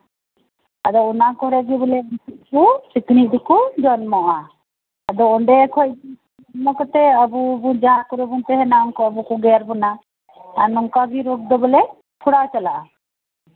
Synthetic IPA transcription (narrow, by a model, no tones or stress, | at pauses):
ad̪ɔunakɔɾɛɡibɔlɛbit̪̚kusikniʔ̚d̪ɛkud͡ʒɔnmɔʔaː | d̪ɔɔɳɖɛkʰɔcdi | mɔkɔt̪ɛəbubund͡ʒaɦakɔɾɛbunt̪ɛɦɛnaɔŋkɔɔbukuɡɛɾbɔna | anɔŋkaɡiɾuk̚d̪ɔbɔlɛ | pʰuɽawt͡ʃalaʔa